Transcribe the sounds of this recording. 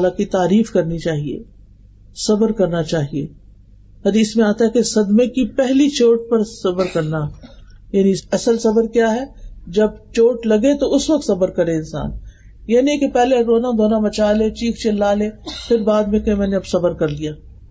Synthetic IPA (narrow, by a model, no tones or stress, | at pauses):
lakit̪aːɾiːfkɐɾnit͡ʃaːɦiḛː | sɐbəɾkɐɾnat͡ʃaːɦiḛː | hɐd̪iːsmẽaːt̪aɦɛkesɐd̪mekipɛɦlit͡ʃoːʈ̚pɐɾsɐbəɾkɐɾna | jaːniɐsəlsɐbəɾkjaːɦɛd͡ʒɐb̚t͡ʃoːʈlɐɡet̪oʊsʋɐk̚t̪sɐbəɾkɐɾẽɪnsa̰ːn | jaːnĩekepɛɦleɾoːnad̪ʱoːnamɐt͡ʃaːlẽːt͡ʃiːkʰt͡ʃɪlːaːleːpʰɪɾbaːd̪mẽkɐĩmɛːneɐbsɐbəɾkɐɾlijaː